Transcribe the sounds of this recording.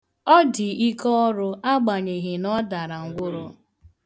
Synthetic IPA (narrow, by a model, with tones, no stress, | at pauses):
ɔ˦dɪ˨i˦kɔ˦ɔ˦ɾʊ˦a˦ɡ͡ba˨ɲe˨ɦɪ˨nɔ˦da˨ɾa˨ŋ̩˦ɡʷʊ˦ɾʊ˦